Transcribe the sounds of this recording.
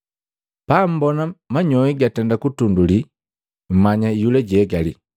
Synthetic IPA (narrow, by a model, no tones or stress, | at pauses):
pam̩bɔnamaɲɔiɡatɛndakutunduli | m̩maɲaijulɛɟɛɡalḭ